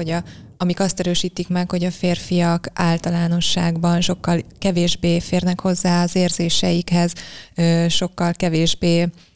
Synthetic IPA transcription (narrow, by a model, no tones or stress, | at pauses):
oɟɒɒmikɒst̪ɛɾøːʃiːt̪ikmɛkho̞ɟɒfeːrfijɒkʔaːlt̪ɒlaːno̞ʃːaːɡbɒnʃo̞kːɒlkɛveːʒbeːfeːrnɛkho̞zːaːɒzeːrzeːʃɛjikhɛzøːʃokːɒlkɛveːʒbeː